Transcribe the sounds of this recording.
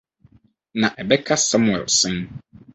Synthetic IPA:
nã˨ʔɛ˨bɛ˦kʰa˦sã˦mʊ˨ɛ̰˨lsɪ̃˦n

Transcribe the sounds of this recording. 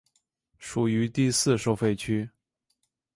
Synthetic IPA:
ʂu˨˩y˧˥t̪i˥˧sɹ̩˥˧ʂo˥˧ʊfe˥˩ɪt͡ɕʰy˥

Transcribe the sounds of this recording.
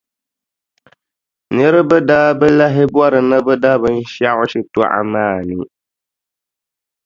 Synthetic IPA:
nɨ˦ɾɪ˦bɛ˦daː˦bɛ˦la˦ɦɪ˦bwa˦ɾɨ˨na˦bɛ˦da˦bɨ˦n̩˦ʃa˦ʔʊ˦ʃɪ˨tɔ˦ʔa̰˨maː˦˨nɨ˦

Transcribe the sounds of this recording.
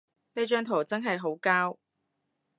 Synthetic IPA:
ne˨˧t͡ʃœː˧ŋt̪ʰo˨˩wt͡sɐ˥ŋɦɐ˨jɦo˨˥wkaː˥w

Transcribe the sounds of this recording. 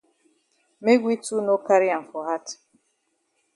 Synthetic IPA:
me˦ɡʷi˦tu˦no˦ka˦ɾi˦a˨m̩˨fɔ˨ɦa˦t

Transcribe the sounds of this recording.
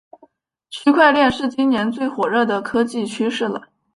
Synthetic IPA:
t͡ɕʰy˥˧kʰwa˥˧ɪljɛ˥˧nʂɻ̩˥˩t͡ɕi˥nnjɛ˧˥nt͡swe˥˩ɪxwɔ˨˩ɻɤ˥˩d̪ə˩kʰɤ˥t͡ɕi˥˩t͡ɕʰy˥ʂɻ̩˥˩lə̰˩

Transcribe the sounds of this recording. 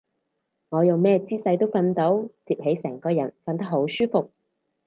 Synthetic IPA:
ŋɔː˨˧jʊ˨ŋmɛː˥t͡siː˥sɐ˧jt̪o˥wfɐ˧nt̪o˨˥wt͡siː˨p̚he˨˥jsɛː˨˩ŋkɔː˧jɐ̰˨˩nfɐ˧nt̪ɐ˥k̚ɦo˨˥wsyː˥fʊ˨k̚

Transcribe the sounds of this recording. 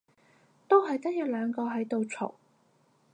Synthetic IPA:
t̪o˥wɦɐ˨jt̪ɐ˥k̚jɐ˨˧w̚lœː˨˧ŋkɔː˧ɦɐ˨˥jt̪o˨wt͡sʰʊ̰˨˩w

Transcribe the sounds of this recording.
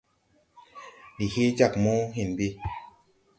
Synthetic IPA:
li˨he˦d͡ʒa˦˨k̚mo˦ɦi˦˨nbi˦

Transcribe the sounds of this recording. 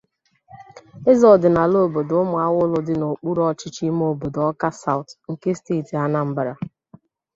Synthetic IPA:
ɪ˦zɔ˨dɪ˨na˨lo˦˨bo˨dʊ˦mʊ˨a˦wʊ˦lʊ˦dɪ˦no˨k͡pu˦ɾɔ˦t͡ʃɪ˦t͡ʃi˦m˦o˦˨bo˨dɔ˦ka˦sa˦˨ʊ˨tŋ̩˨ke˦steː˦˨ti˨a˦na˦m̩˦ba˨ɾa˨

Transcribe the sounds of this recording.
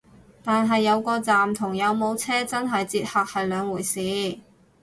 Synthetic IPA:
t̪aː˨nɦɐ˨jːɐ˨˧wkɔː˧t͡saː˨mt̪ʰʊ˨˩ŋjɐ˨˧wmo˨˧wt͡sʰɛː˥t͡sɐ˥nɦɐ˨jt͡siː˧t̚haː˧k̚hɐ˨jlœː˨˧ŋwuː˨˩jsiː˨˧˥

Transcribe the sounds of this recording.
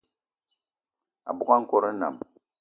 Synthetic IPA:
a̰˨bʊ˨ka˦ŋ̩˦ko˦ɾə˦na̰˨m

